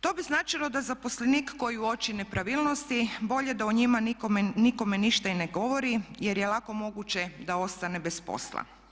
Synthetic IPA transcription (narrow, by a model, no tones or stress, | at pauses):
t̪o̞biznaːt͡ʃilo̞d̪azapo̞sleniːkːo̞jiuo̞t͡ʃine̞pɾaʋiːlˠnost̪ibo̞ʎed̪auɲimanikomniko̞meniʃt̪aineɡo̞ʋo̞ɾije̞ɾjelˠako̞mo̞ɡut͡ʃed̪ao̞st̪anebespo̰slˠa̰